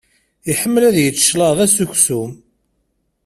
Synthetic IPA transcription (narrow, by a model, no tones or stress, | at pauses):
iħəmːəlæðjət͡sːʃlɑðˤæsuçsum